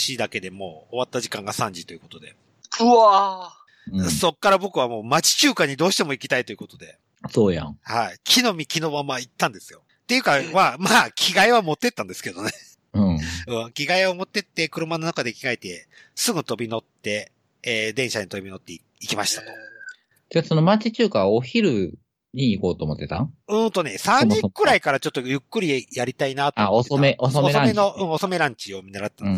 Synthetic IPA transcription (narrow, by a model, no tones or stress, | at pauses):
ɕid̪ake̞d̪e̞mo̞ːβat̪ːaʑikãŋɡasãɲ̟d͡ʑit̪o̞jɯ̟kot̪o̞d̪e̞̰ | ɯa | so̞kːaɾabo̞kɯ̟βamo̞ːmat͡ɕi̥t͡ɕɨːkaɲ̟id̪oːɕi̥t̪e̞mo̞ikʲi̥t̪ait̪o̞jɯ̟ko̞t̪o̞d̪e̞̰ | soːjã̰haikʲʰino̞mʲikʲino̞mamait̪ːãnd̪e̞sɨ̥jo̞ | t̪ːejɯ̟kamaːmaːkʲʰiɡaiβamo̞t̪ːe̞t̪ːãnd̪esɨ̥ke̞d̪o̞ne̞ | ɯ̟̃ɯ̟̃ːkʲiɡaiβamo̞t̪ːe̞t̪ːe̞kɯ̟ɾɯ̟mano̞nakad̪e̞kʲiɡaeit̪e̞ | sɨɡɯ̟t̪o̞bʲino̞t̪ːe̞ː | d̪ẽ̞ɰ̃ɕaɲit̪o̞bʲino̞t̪ːe̞ | ikʲimaɕi̥t̪ḁt̪o̥ | t̪esonomat͡ɕit͡ɕɨːkaoçiɾɯ̟ | ɲ̟iːko̞ːt̪oːmot̪ːe̞t̪a̰ɯ̟̃ːnt̪o̞ne̞sãɲɲĩkɯ̟ɾaikaɾat͡ɕo̞t̪ːojɯ̟kːɯ̟ɾʲijaɾʲit̪ainat̪oaoomeososomenoɯ̟̃ːo̞so̞me̞ɾãɲ̟t͡ɕio̞mʲinːaɾat̪et̪ːan